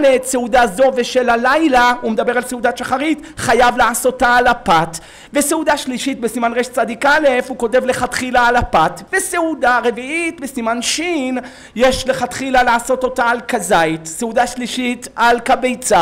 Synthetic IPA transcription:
letseudazo̞veʃelalajlaumed̪abe̞ʁalseud̪aʃaχaʁit | χajavlaaso̞taːlapat | ve̞seudaʃliʃitbesimanʁeʃt͡sad̪ikalefuko̞te̞vle̞χat̪χilaːlapatveseudaʁe̞viitbesimanʃin | jeʃleχatχilalaːso̞to̞taːlkazaitseudaʃliʃitalkabejt͡sa

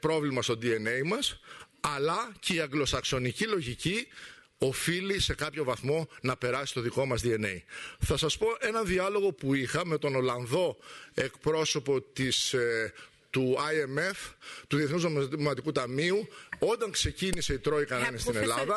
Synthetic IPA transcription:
pɾo̞vlimɐst̪o̞nd̪ie̞ne̞jmɐs | ɐlɐce̞iɐŋɡlo̞sɐkso̞nicilo̞ʝici | o̞filise̞kɐpço̞vɐθmo̞nɐpe̞ɾɐsist̪o̞ðiko̞mɐzd̪ie̞ne̞̰iθɐsɐspo̞ʔe̞nɐnðiɐlo̞ɣo̞puixɐme̞t̪o̞no̞lɐnðo̞e̞kpɾo̞so̞po̞t̪is | t̪uɐieme̞ft̪uðieθnuznomɐt̪ikut̪ɐmiuo̞d̪ɐŋkse̞cinise̞it̪ɾo̞ikɐnenist̪inelɐðɐ

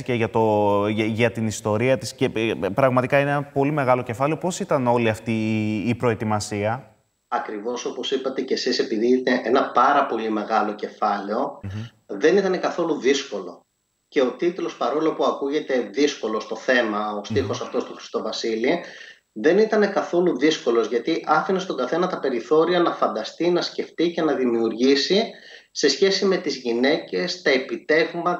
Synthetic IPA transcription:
iceʝɐt̪o̞ʝɐt̪inist̪o̞ɾiɐt̪iscepɾɐɣmɐt̪ikɐineenɐpo̞lime̞ɣɐlo̞ce̞fɐleo̞po̞sit̪ɐno̞liɐft̪iːpɾo̞e̞t̪imɐsiɐ | ɐkɾivo̞so̞po̞sipɐt̪e̞ce̞sise̞piðiit̪eʔenɐpɐɾɐpo̞lime̞ɣɐlo̞ce̞fɐleo̞ | ðe̞nit̪ɐne̞kɐθo̞luðisko̞lo̞ | ce̞o̞t̪it̪lo̞spɐɾo̞lo̞puɐkuʝe̞t̪e̞ðisko̞lo̞st̪o̞θe̞mɐo̞st̪ixo̞sɐft̪o̞st̪uxɾi̥st̪o̞vɐsili | ðe̞nit̪ɐne̞kɐθo̞luðisko̞lo̞zʝɐt̪iʔɐfinest̪o̞ɡɐθe̞nɐt̪ɐpe̞ɾiθo̞ɾiɐnɐfɐnd̪ɐst̪inɐsce̞ft̪ice̞nɐðimiuɾʝisi | se̞sçe̞sime̞t̪izʝine̞ce̞st̪ɐe̞pit̪e̞vmɐ

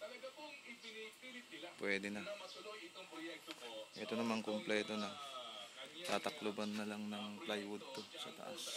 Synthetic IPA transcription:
pwɛːd̪ɪnɐ | ʔɛt̪onɐmaŋkomplɛːt̪o̞nɐ | t̪aːt̪ɐklʊbanːɐlaŋnɐŋplajwʊd̪̚t̪osɐ̰t̪ɐ̰ʔa̰s

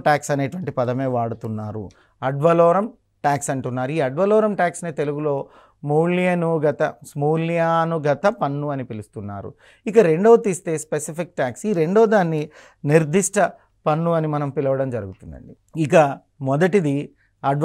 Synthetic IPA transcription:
ʈaːksɐne̞ːʈuʋɐɳʈipɐd̪ɐme̞ːʋaːɽut̪unːaːɾṵ | ɐɖʋɐlɔːɾɐm | ʈaːksɐɳʈunːaːɾuiːɐɖʋɐlɔːɾɐmʈaːksnet̪e̞luɡulo̞ː | muːlijɐnuɡɐt̪ɐsmuːljaːnuɡɐt̪ɐpɐnːuɐnipilust̪unːa̰ːɾṵ | ikɐɾe̞ɳɖo̞ːt̪iːst̪e̞ːspesipʰik̚ʈaːksiːɾe̞ɳɖoːd̪aːnːi | niɾd̪ʱiʂʈɐ | pɐnːuɐnimɐnɐmpilɐʋɐɽɐmd͡ʒɐɾuɡut̪und̪ɐ̰ɳɖi | ikɐ | mɔd̪ɐʈid̪i | ɐɖ

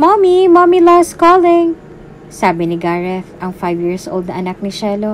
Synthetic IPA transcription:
mamimamilaskoːlɪŋ | saːbɪnɪɡaːɹɛfʔɐŋfajvjiɹsʔoːlˠd̪nɐʔɐnak̚nɪʃɛlo

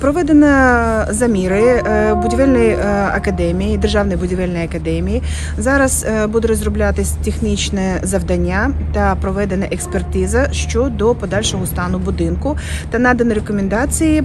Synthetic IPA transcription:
pɾɔʋɛd̪enɐzɐmʲiɾɪbʊdʲiʋɛlʲnɔjɐ̰kɐd̪ɛmʲijid̪erʒɑwnɔjbʊdʲiʋɛlʲnɔjɐkɐd̪ɛmʲiji | zɑɾɐz̥bud̪ɛɾɔzrʊblʲat̪ɪsʲt̪ʲexnʲit͡ʃnɛzɐʋd̪ɐnʲːat̪ɐpɾɔʋɛd̪enɐʔekspert̪ɪzɐʃt͡ʃɔd̪ɔpɔd̪ɑlʲʃɔɦɔst̪ɑnʊbʊd̪ɪnkʊ | t̪ɐnɑd̪ɐnɪɾekɔmʲend̪ɑt͡sʲiji

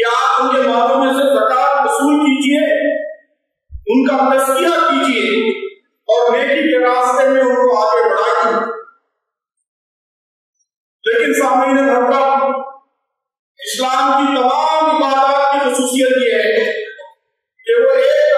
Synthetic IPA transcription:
aːʊnkemaːlõmẽsepɾɐkaːɾkʊsuːlkiːd͡ʒie | ʊnkaɾestijatkiːd͡ʒie | ɔːɾmeːʈikeɾaːst̪emẽʊnkoaːɡebɐɽadɛ̃ | leːkɪnsaːminekɐɾuɡa | ɪslaːmkit̪ɐmaːmɪb̪ːaɾaakixʊsuːsijət̪jeɦɛ | keʋoeːk

